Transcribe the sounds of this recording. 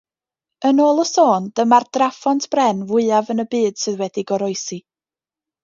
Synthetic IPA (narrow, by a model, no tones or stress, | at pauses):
ənoːlˠəsoːnd̥əmard̥rafɔntʰb̥rɛnvʊɨavənəbɨːd̥sɨðwɛdiɡɔɾɔɨsi